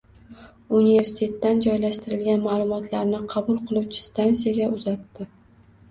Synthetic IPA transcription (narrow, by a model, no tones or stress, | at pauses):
unive̞ɾsɪ̥t̪ʲʰe̞t̪ːand͡ʒɒjlaʃt̪ɪɾɪlɡʲanmaːlˠʊmɒt̪ʰlaɾnɪqʰɑbʊlˠqʰɨlˠuwt͡ʃʰɪ̥st̪ansijaɡʲaʊzat̪ːɪ